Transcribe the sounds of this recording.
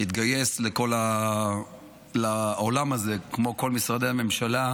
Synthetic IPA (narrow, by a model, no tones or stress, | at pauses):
it̪ɡaje̞sleko̞la | laolamaze̞kmo̞ko̞lmisʁad̪eame̞mʃala